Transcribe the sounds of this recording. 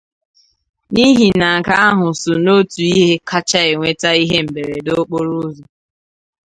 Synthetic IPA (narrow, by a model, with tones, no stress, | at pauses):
ni˦ɦi˨na˨ka˦a˦ɦʊ˨so˨no˦tu˨i˦ɦe˦kʰa˦t͡ʃa˦ɪ˨ŋʷe˦ta˦i˦ɦe˦m̩˨be˨ɾe˨do˦k͡po˦ɾu˦zo˨